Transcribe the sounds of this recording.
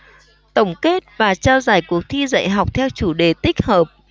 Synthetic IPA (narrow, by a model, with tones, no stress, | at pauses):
t̪ə˧˩wŋ͡mke˦˥t̚vaː˨˩t͡ɕaː˧wzaː˧˩jku˨˩ək̚t̪ʰi˧zə̰˧˨jɦa˨˩wk͡p̚t̪ʰɛ˧wt͡ɕu˧˩ɗe˨˩t̪ï˦˥k̟̚həː˨˩p̚